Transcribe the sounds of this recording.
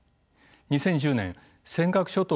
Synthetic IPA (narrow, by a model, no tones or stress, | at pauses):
ɲ̟isẽ̞ɲ̟d͡ʑɨːnḛ̃ | sẽ̞ŋkakɯ̟̥ɕot̪o